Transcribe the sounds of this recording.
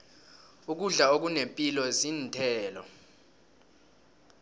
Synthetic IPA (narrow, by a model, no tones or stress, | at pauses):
uk̬uɮaok̬unempʼilɔziːntʰɛːlɔ̰